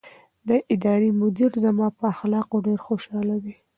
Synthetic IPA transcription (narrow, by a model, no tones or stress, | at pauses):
d̪əʔɪd̪ɑɾimʊd̪iɾzamɑpəaxlɑqoɖeɾxoʃɑlad̪i